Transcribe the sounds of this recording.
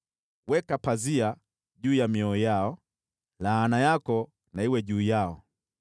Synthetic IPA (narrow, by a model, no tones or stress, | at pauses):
wɛkapazia | ʄuːjamiɔijaɔ | laːnajakɔ | naiwɛʄuːjaɔ